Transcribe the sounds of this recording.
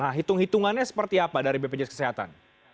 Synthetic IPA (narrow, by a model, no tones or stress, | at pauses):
aɦit̪ʊŋhit̪uŋanɲasə̥pərt̪iapadaɾibeped͡ʒɛskə̥seɦat̪a̰n